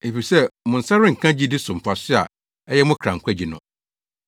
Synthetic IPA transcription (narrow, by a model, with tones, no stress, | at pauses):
e˨fi˨sɛ˦mʊ̃˨n̩˨sa˦ɾɪ̃˦ŋ̩˨kʰã˦d͡ʑi˦dɪ˦sʊ̃˨m̩˨pʰa˨sɪ˦a̰˨ | ɛ˦jɛ˦mʊ̃˦kʰɾã˨ŋ̩˨kʷʰɛ˦d͡ʑi˨nʊ̰̃˨